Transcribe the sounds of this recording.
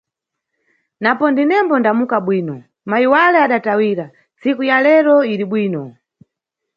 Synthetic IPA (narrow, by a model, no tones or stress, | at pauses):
napɔndinɛmbɔndamukaɓwiːnɔ | maiwalɛaɗatawiːɾa | nt͡sikujalɛɾɔiɾiɓwiːnɔ